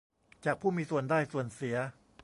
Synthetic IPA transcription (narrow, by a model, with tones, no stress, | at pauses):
t͡ɕaː˨˩k̚pʰuː˥˩miː˧su˨˩əndaː˥˩jsu˨˩ənsi˩˦ɐ